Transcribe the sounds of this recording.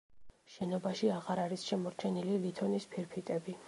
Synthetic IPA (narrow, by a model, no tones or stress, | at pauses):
ʃɛnɔbaʃiaʁaɾaɾisʃɛmɔɾt͡ʃʰɛnililit̪ʰɔnispʰiɾpʰit̪ʼɛbi